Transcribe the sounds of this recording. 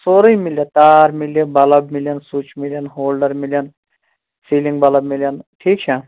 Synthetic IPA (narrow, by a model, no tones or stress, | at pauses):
soːɾijmiljɐt̪aːɾmilːɐbɐlɐbmiljɐnsut͡ʃʰmilʲjɐnɦoːlɖɐɾmiljɐn | siːliŋɡbɐlɐbmiljɐnʈʰiːk̚t͡ʃʰe